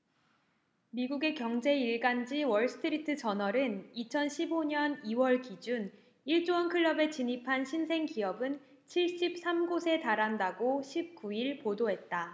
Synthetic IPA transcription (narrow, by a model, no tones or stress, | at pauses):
miɡuɡe̞kjʌŋd͡ʑe̞iɭɡand͡ʑiwʌɭsʰɯ̥tʰɯɾitʰɯt͡ɕʌnʌɾɯnit͡ɕʰʌnɕʰiboɲʌniwʌɭkid͡ʑun | iɭt͡ɕ͈oʌnkʰɯɭːʌbe̞t͡ɕiɲipʰanɕʰinsʰe̞ŋkiʌbɯn | t͡ɕʰiɭɕ͈ip̚s͈ʰamɡosʰe̞taɾandaɡoɕʰip̚k͈uiɭpodoɦe̞t̚t͈a